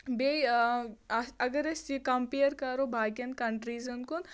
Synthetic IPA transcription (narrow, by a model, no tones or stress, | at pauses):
be | ɐɡəɾesikɐmpejəɾkɐɾoːbʱaːkɐnkɐɳʈɾiːzɐnkun